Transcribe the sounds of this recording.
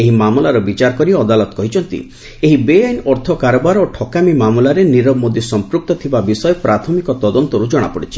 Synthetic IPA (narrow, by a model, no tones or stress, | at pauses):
eɦimamulaɾɔbit͡ʃaɾkɔɾiɔd̪alɔt̪ɔkɔɦit͡ʃʰɔnt̪ḭ | eɦibeajnɔɾt̪ʰɔkaɾɔbaɾoʈʰɔkamimamulaɾeniɾɔbmod̪isɔmpɾuk̚t̪ɔt̪ʰibabisɔjpɾat̪ʰɔmikɔt̪ɔd̪ɔnt̪ɔɾud͡ʒɔɽ̃a̰pɔɽit͡ʃʰi̥